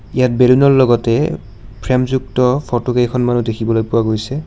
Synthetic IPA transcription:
ijat̚belinɔllɔɡɔtɛ | pʰɹɛmzuk̚tɔpʰɔtoɡejkʰɔnmanudekʰibɔlojpʊwaɡojsɛ

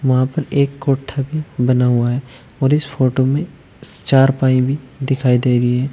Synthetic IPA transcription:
ʋɐɦãpɐɾeːkːoːʈʰːabʱibɐnaɦʊaɦɛː | ɔːɾɪsfʰoːʈomẽ | t͡ʃaːɾpaːĩbʱi | d̪ɪkʰaːid̪eːɡəiɦɛː

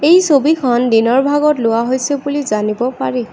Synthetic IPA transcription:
ejsobikʰɔndinɔɹbʱaɡɔtlʊwaɦojsebulizanibɔpaɹɛ

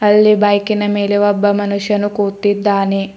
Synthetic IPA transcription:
ɐlːibɐjkinɐmeːleʋɐbːɐmɐnuʂjɐnukuːt̪ːid̪ːaːne

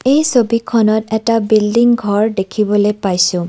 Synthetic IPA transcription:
ejsobikʰɔnɔtɛtabildiŋɡʱɔɹdekʰibɔlejpajsʊ̃

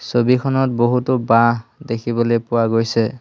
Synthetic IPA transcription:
sobikʰɔnɔt̚boɦutʊbaɦdekʰibɔlojpʊwaɡojsɛ

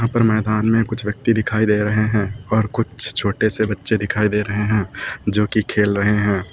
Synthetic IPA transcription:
ɦãpɐɾmɛːd̪aːnmẽkʊt͡ʃʰʋjɐk̚t̪id̪ɪkʰaːid̪eːɾɐɦeɦɛ̃ːɔːɾkʊt͡ʃʰt͡ʃʰoːʈesebɐtːʃed̪ɪkʰaːid̪eːɾɐɦeɦɛ̃ːd͡ʒoːkikʰeːlɾɐɦeɦɛ̃ː

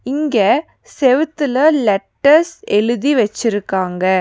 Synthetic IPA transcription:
ɪŋɡɐ | sɛʋɯt̪ːɯlɐlɛʈːɐɾsɛɻɯðiʋɛt͡ʃːɪɾɯkːaːŋɡɐ

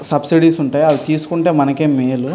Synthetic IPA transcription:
sɐbsiɖiːsuɳʈaːjiɐʋit̪iːsu̥kuɳʈe̞ːmɐnɐke̞ːmːeːlu

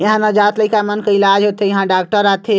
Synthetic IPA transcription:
jəɦãnəd͡ʒat̪ləjkamənkəilad͡ʒɦot̪ejɐɦãɖak̚ʈəɾat̪ʰe

